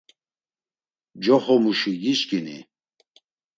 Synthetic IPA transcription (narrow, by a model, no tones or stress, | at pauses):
d͡ʒɔχɔmuʃiɡiʃkʼinḭ